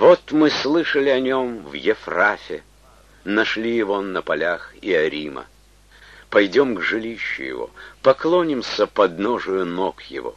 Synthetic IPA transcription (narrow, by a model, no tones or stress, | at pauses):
vot̪mɨslˠɨʂəlʲɪɐnʲo̞mvjɪfrafʲɪ | nɐʂlʲijɪvonəpɐlʲaxiɐɾʲimə̰ | pɐjdʲo̞mɡʐɨlʲiɕːʊ̰jɪ̰vo̰pɐklˠonʲɪmsʲəpɐd̪noʐʊjʊnokjɪ̰vo̞̰